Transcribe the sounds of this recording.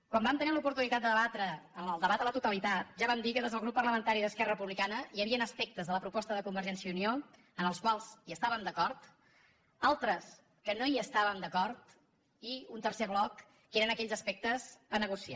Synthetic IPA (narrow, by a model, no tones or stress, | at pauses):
kwambamt̪ənilupuɾt̪unit̪at̪̚d̪əðəβat̪ɾəːnəlˠd̪əβat̪ələt̪ut̪əlit̪at̪̚ʒaβamd̪ikəðezð̞əlˠɣɾupːərləmənt̪aɾiðəskɛrərəpuβlikanəiəβiənəspɛk̚t̪əzðələpɾupɔst̪əðəkumbəɾʒɛnsjəunio | ənəlˠskwalˠziəst̪aβəmd̪əkɔɾt̪ | alˠt̪ɾəs | kənoiəst̪aβəmd̪əkɔɾt̪ | iunt̪əɾseβlɔkː | eɾənəkɛʎʲzəspɛk̚t̪əsənəɣusia̰